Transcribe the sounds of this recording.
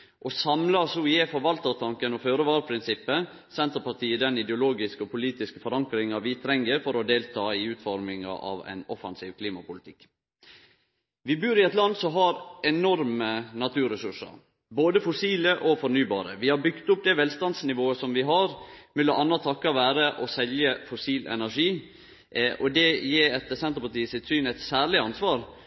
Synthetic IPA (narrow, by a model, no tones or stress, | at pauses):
ʔɔsɑmlɑsɔɪjeːfɔɾʋɑlt̪əɾt̪ʰɑŋkənɔføːɾəʋɑːɾəpʰɾɪnsɪpːə | sɛnt̪əɾpɑt̪iːəd̪ɛnɪd̪ɛʊloːɡɪskəɔpʰʊliːt̪ɪskə̥fɔɾɑŋkɾɪŋɑʋɪt̪ʰɾɛŋːəɾfɔɾɔd̪eːlt̪ʰɑːɪʉːt̪fɔɾmɪŋɑ̰ʔɑ̰ʋæ̰ɪnɔfɑnsiːʋkʰliːmɑpʊlɪt̪ʰɪkː | ʋɪbʉːɾɪɛt̪lɑnd̪sɔɦɑɾɛnɔɾmənɑt̪ʰʉːɾəsʉʂə̰ɾ | boːd̪əfʊsiːləʔɔfɔɾnyːbɑ̰ːɾəʋɪhɑɾbʏɡt̪ʊp̚d̪ɛʋɛlst̪ɑnd̪snɪʋoːəsɔmʋɪɦɑɾmɪləʔɑnːɑt̪ʰɑkːɑʋæːɾəʔɔsɛljəfʊsiːlɛ̰næɾʂiː | ʔɔd̪ɛjeːɾɛt̪əsɛnt̪əɾpɑʈiːəsɪt̪syːnɛt̪sæːɭɪɑnsʋɑːɾ